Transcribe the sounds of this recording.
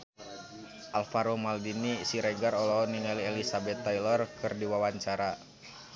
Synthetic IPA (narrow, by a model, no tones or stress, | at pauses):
ʔalfaɾɔmaldinisiɾɛɡaɾɔlɔɔniɲaliɛlisabɛt̪ːajlɔrkɨrdiwawaɲt͡ʃaɾa